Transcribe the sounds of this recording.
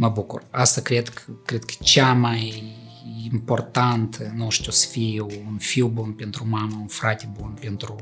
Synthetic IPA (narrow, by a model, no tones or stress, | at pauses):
mɐbukʊrast̪ɐkɾʲet̪kkɾʲet̪kʲt͡ʃamaj | import̪ant̪ʰɨnoʃt̪ʲosfʲijwunfʲiwbunpʲent̪ɾʊmamɐunfɾat̪ʲɪbunpʲent̪ɾʊ